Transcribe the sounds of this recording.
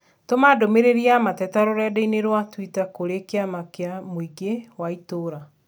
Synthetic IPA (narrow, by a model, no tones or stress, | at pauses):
tomadomeɾeɾiamatɛtaɾoɾɛdeineɾwatwitakoɾekeamakeamoiɡewaitoːɾa